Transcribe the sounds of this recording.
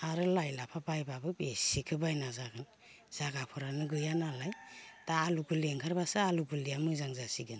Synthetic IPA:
aɾɯlajlapʰabajbabɯbesikʰɯbajnazaɡɯn | z̥aɡapʰɔɾanɯɡɯjanalajtaːluɡɯleŋkʰaɾbasɯaluɡulijamɯzaŋzasiɡɯn

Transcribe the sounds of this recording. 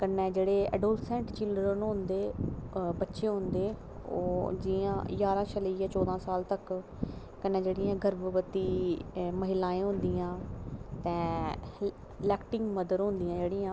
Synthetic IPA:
kənːɛːd͡ʒeːɽeːɛ̰ːɖoːlsɛ̃ːɳʈt͡ʃɪlɖɾənʊ̃nd̪eːbətːʃẽːɦʊ̃nd̪eː | oːd͡ʒiã̰ːjaːɾãːʃələiːjaːt͡ʃɔːd̪ãːsaːlt̪ək | kənːɛ̃ːd͡ʒeːɽiːãːɡʱəɾbəʋət̪iːməɦɪlaːẽːɦʊ̃nd̪iːãːt̪ɛ̃ː | lɛːkʈɪ̃ŋɡməd̪əɾɦõnd̪ijãːd͡ʒeːɽiːãː

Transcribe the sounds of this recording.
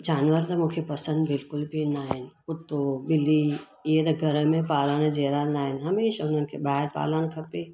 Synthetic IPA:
d͡ʒaːnʋəɾt̪amũːkʰepɐsə̃nd̪bɪlkʊlbʱinaːɦɪnʊt̪ːobɪlːi | jet̪ɐɡʱɐɾəmẽpaːlanẽd͡ʒeːɾanaːɦɪnɦɐmeːʃaʊnɦənɪ̆kʰebaːɦɪɾpa̰ːlankʰɐpe

